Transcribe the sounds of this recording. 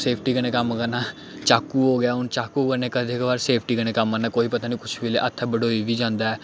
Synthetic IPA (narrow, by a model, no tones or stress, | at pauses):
seːpʰʈiːkənẽːkəmkənãː | t͡ʃaːkuːɦoːɡjaːʊnt͡ʃaːkuːkənẽːkəd̪ekbaːɾseːpʰʈiːkəñeːkəmənaːkoːiːpət̪aːniːkʊt͡ʃʰʋɪleːʔət̪ʰːabəɽoːiːʋiːd͡ʒãːnd̪aːɛː